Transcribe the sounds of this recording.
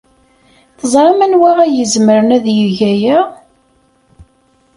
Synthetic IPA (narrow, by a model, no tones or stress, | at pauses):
θəzˤɾˤɑmænwæʁæjəzməɾənæðjəʝæjæ